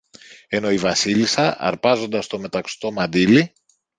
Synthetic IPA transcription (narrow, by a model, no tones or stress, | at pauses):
e̞no̞ivɐsilisɐʔɐ̰ɾpɐzo̞nd̪ɐst̪o̞me̞t̪ɐkst̪o̞mɐnd̪ili